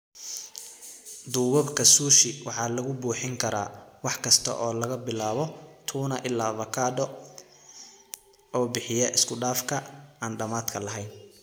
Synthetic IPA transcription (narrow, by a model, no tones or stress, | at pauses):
d̪uːwɐbkʰɐsuːʃɪwɑħɑːlɐɣʊbuːħɪŋkʰɐɾa̰ːwɑħkʰɐst̪ʰɐ̰ʔɔːlɐɣɐbɪlaːβɔt̪ʰuːnɐʔɪlːaːvɐkʰaːdɔ | ɔːbɪħɪjɐʔɪskʰʊɖaːfkʰɐaːnɖɐmaːd̪kʰɐlɐɦɛjn